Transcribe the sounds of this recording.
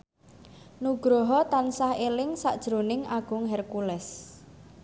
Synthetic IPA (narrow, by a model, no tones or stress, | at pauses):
nuɡ̥ɾoɦɔt̪ansahelɪŋsaʔd̥ʒ̥ɾonɪŋʔaɡ̥ʊ̤ŋɦɛrkulɛs